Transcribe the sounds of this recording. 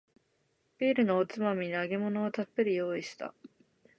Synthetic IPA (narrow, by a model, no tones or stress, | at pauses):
b̥ʲiːɾɯ̟noːt͡sɨmamʲinaɡe̞mo̞no̞ːt̪apːe̞ɾɯjo̞ːiɕi̥t̪a̰